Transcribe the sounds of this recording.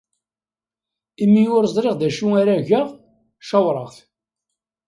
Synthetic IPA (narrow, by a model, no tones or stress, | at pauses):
imːiʊɾzˤɾeʁðæʃuaɾæʝə | ʃɑwɾˤəʁθ